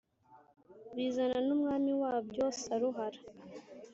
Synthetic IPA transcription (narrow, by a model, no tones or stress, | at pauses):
βiːzananumŋaːmiwaːbjoːsaɾuɦaɾḁ